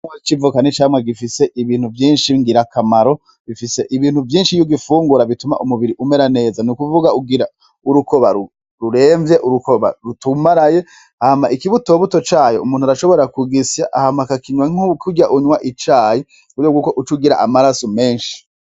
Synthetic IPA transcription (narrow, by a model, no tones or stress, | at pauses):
at͡ʃivukanit͡ʃaːmwaɡifise̞ʔiβiːn̥huvjiːnʃiŋɡiɾakamaɾo̞ | βifise̞ʔiβiːn̥huvjiːnʃijuɡifuːŋɡuɾaβituma̰ʔumuβiɾiʔume̞ɾane̞ːzanukuvuɡauɡiɾa | uɾukoβaɾu | ɾuɾe̞ːɱvje̞ʔuɾukoβa̰ɾutumaɾaje̞ | hamaʔikiβuto̞ːβutot͡ʃaːjoumuːnhuaɾaʃoβoɾakuɡisjaʔahamakakiɲwaŋukʰuɟaʔuɲwaʔit͡ʃaːji | uɾjoɡukoʔut͡ʃuɡiɾa̰ʔamaɾasome̞ːnʃi̥